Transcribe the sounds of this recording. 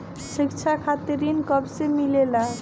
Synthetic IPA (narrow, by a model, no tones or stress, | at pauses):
ʃikt͡ɕʰakʰat̪eɾinkɔbsemilela